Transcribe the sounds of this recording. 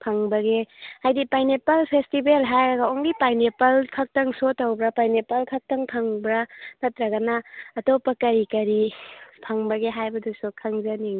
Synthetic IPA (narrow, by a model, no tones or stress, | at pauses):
pʰɐŋbɐɡehajdipajnepalpʰestibelɦajaɡaoŋɡipajnepɐlkʰɐk̚tɐŋsotawbɾapajnepɐlkʰɐk̚tɐŋpʰaŋbɾatʰɐtɾɐɡɐnaːtopːɐkɐɾikɐɾipʰɐŋbɐɡeɦajbɐdusokʰɐŋzɐniŋ